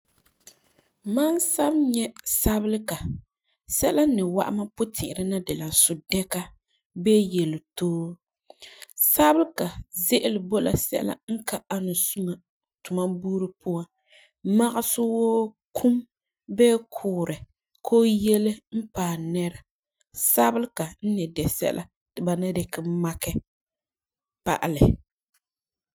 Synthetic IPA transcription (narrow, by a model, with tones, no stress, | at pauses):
ma˦nsa˦bɲɛ˦sa˦bɪ˦lka˨ | sɛ˦la˦nɪ˨wa̰˦ʔa˦ma˦pʊ˦tʰɪ˨ʔɪ˨ɾɨ˦na˦dɪ˨la˨sʊ˨dɛ˦ka˦ | bɛː˦jɛ˨lɪ˨toː˦ | sa˦bɪ˦lka˨zɪ˦ʔɪ˦lɪ˨bo˦la̰˨sɛ̰˦ʔla̰˦ŋ̩˦ka˦a˦nʊ˨su˦ma˨ | tʊ˨ma˦buː˦ɾɨ˦pʊ˦a˦ | ma˦ɣɪ˦sʊ˦woː˦ | kʰu˦m | bɛː˦kʰʊː˨ɾɪ˨ | kʰoː˦jɛ˦lɪ˦m̩˦paː˨nɛ˦ɾa˨ | sa˦bɪ˦lka˨n̩˦nɛ˨dɛ˨sɛ̰˦lʔa̰˦ | tɪ˨ba˨nɛ˦dɛ˨kɪ˦m˦ma˦kɛ˦ | pa̰˨ʔa˨lɪ˨